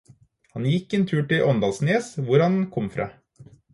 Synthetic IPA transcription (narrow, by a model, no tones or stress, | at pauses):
hɑnjɪkːeːnt̪ʰʉːʈɪʔɔnd̪ɑːlsneːsʋʊɾhɑnkʰɔmfɾɑ̰ː